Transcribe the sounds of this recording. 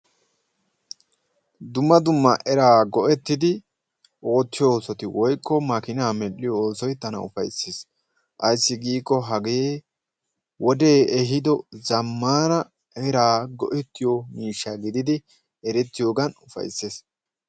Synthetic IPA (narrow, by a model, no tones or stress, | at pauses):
d̪ʊmːɐd̪ʊmːɐʔɛɾaːɡɔʔɛt̪ːɪd̪ɪ | ʔo̞ːt̪ːɪjooːsɔt̪ɪwɔjkːɔmɐkɪnaːmɛlːɪjɔoːsɔjt̪ɐnɐ̰ʊ̰fɐ̰jsːeːs | ʔɐjsːɪɡiːkːɔɦɐɡeː | wɔd̪e̞ːɛɦɪd̪ɔzɐmːaːnɐ | ʔɛɾaːɡɔ̰ʔɛt̪ːɪjɔmiːʃːaɡɪd̪ɪd̪ɪ | ɛɾɛt̪ːɪjoːɡɐnʊfɐ̰jsːe̞ːs